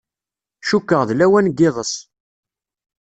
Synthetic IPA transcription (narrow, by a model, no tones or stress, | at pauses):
ʃukːəʁðlæwænɡːɪðˤəs